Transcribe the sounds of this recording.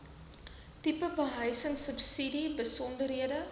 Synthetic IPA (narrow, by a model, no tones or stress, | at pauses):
tipəbəɦəjsəŋsəpsidibəsɔndərɦiədə